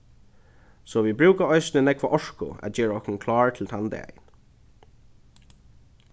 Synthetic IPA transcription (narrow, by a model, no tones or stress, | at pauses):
sɔʋibɹʉːkaɔɪsnɪnɛkʋaʔɔʂkʊ̰æ̰d͡ʒeːɹaɔhkʊnkʰlɑːɹt̪ʰɪlt̪ʰand̪̰a̰jɪ̰n